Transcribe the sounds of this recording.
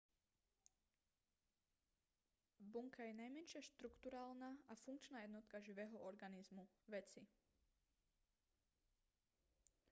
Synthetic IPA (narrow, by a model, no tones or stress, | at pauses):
buŋkajɛnajmɛnʃɪaʃt̪ɾukt̪uɾaːlnaʔafuŋkt͡ʃnaːjɛd̪nɔt̪kaʒiʋɛːɦɔʔɔɾɡanizmu | ʋɛt͡si